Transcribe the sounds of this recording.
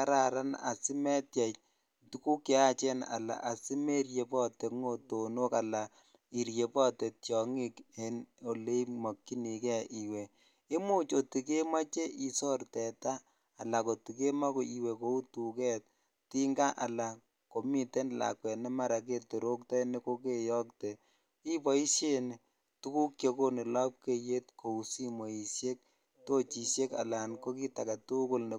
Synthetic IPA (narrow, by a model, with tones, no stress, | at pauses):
ka˦ɾa˨ɾa˦na̰˨si˦mɛ˦tja˨t͡ʃ | tu˦ku˦ke˦a˦t͡ʃɛ˦na̰˨la̰˨ʔa˨si˦me˦ɾje˨pɔ˦te˨kŋo˦to˨no˦ka˨la˨ | i˨ɾje˨pɔ˦te˨ttjɔ˨ŋi˦keno˨le˦mɔ˨kːi˦ni˨kɛ˦ʔi˨we˨ | e˦mu˦t͡ʃo˨ti˨ke˦ma˦t͡ʃe˦ʔi˨sɔ˦rtɛ˨taː˦˨ | la˨ko˨ti˨ke˦ma˦ko˨i˨we˨ko˨˦u˦tu˨kɛ˦t̚ | ti˦ŋɡa˦ʔa˨la˨ | ko˨mi˨te˦n˨la̰˨kwɛ˨nɛ˦ma˦ɾa˨k̬e˦to˨ɾo˦ktɔ˦ni˦ko˦ke˦jɔ˦kte˨ | i˦pɔ˦i˦sje˦n | tu˦ku˦kt͡ʃe˦ko˦ni˨la˦p̚ke˦je˦tko˨u˨si˦mo˨i˨sje˦k̚ | to˦t͡ʃi˨sje˦ka̰˨la˨nko˦ki˦ta˨ka˨tu˦ko˦lne˨